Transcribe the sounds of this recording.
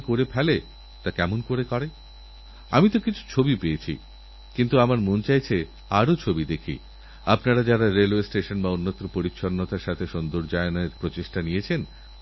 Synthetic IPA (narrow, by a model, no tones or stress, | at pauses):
koɾepʰɛle | t̪akɛmonkoɾekɔɾe | amit̪okit͡ɕʰu̥t͡ɕʰobipeet͡ɕʰḭ | kint̪uamaɾmont͡ɕajt͡ɕʰe | aɾot͡ɕʰobid̪ekʰḭ | apnaɾad͡ʑaɾaɾelwesʈeʃonbaonːot̪ːɾopoɾitːʃʰonːot̪aɾʃat̪ʰeʃond̪oɾd͡ʑaeneɾpɾot͡ɕeʃʈanijet͡ɕʰen